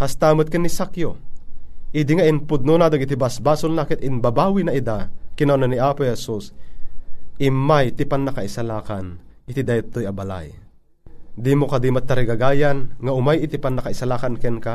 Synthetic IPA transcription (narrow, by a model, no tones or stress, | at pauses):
hast̪amɐt̪̚kɛnːisakjo | ʔid̪ɪŋaʔɪnpʊd̪̚nonad̪aɡɪt̪ibasbaːsolnakɪt̪ɪnbabaːwinɐʔid̪akɪnonɐniʔaːpohɛsus | ɪmajt̪ɪpanːakaɪsalaːkanʔɪt̪id̪ajat̪ːojɐbala̰j | d̪imokad̪imat̪ːɐɾɪɡaɡaːjanŋaʔʊmajɪt̪ɪpanːakaɪsalaːkankɛnka